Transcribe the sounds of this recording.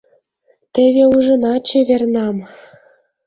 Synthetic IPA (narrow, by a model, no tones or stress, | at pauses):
t̪ĕβʲeuʒɤ̆nɑt͡ɕĕβʲernɑm